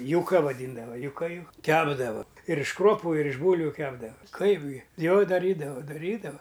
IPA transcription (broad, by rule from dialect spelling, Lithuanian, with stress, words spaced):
jʊˈkɐ ʋɐˈdʲiːndɐʋɐ jʊˈkɐ jʊ ˈkʲæːbdɐʋɐ ɪr ɪʃ ˈkruɔpʊ ɪr ɪʃ ˈbuːlʲʋʲʊ ˈkʲæːbdɐʋɐ ˈkɐɪp ɡʲɪ ˈjoː dɐˈrʲiːdɐʋoː dɐˈrʲiːdɐʋɐ